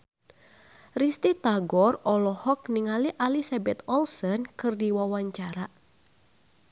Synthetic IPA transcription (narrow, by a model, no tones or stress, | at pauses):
rist̪it̪aɡɔrɔlɔhɔk̚niŋaliʔalisabɛt̪ɔlsənkɨrdiwawaɲt͡ʃaɾa